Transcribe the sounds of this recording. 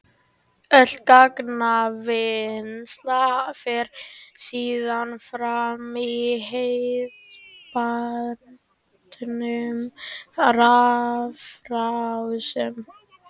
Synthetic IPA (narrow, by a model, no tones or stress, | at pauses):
œl̥t̪̚kaknavɪnst̪lafɪɾ̥siːðanfɾamiɦeðpa | t̪nʏm | rafɾawsʏm